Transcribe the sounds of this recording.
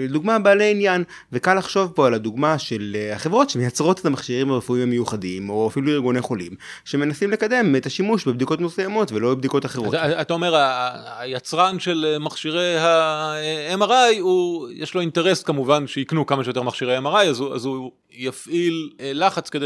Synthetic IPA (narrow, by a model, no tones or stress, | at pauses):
d̪uɡmabaːleinjan | vekalːaχʃo̞vpo̞alad̪uɡmaʃe̞laχevʁo̞tʃemejat͡sʁo̞t̪etamaχʃiʁimhaʁefuimamejuχadimo̞afiluiʁɡoneχo̞lḭm | ʃeme̞nasimle̞kade̞met̪aʃimuʃbebd̪iko̞tmusejamo̞tvelo̞bebd̪iko̞taχeʁo̞tat̪aome̞ʁajat͡sʁanʃelmaχʃiʁejha | emaʁajujʔeʃlo̞inteʁe̞skamuvanʃeiknukamaʃejot̪e̞ʁmaχʃiʁeaemaʁajazua̰zu | jafʔillaχat͡skede